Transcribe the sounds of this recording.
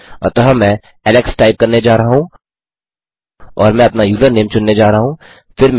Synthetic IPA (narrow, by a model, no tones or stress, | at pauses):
ɔ̰ːɾt̪ɐɦɐmɛ̃ | ɛːlɛksʈaːɪp̚kɐɾned͡ʒaːɾɐɦaɦũː | ɔːɾmɛ̃ɐpnajuːzəɾneːmt͡ʃʊnːed͡ʒaːɾɐɦaɦũː | fɪɾm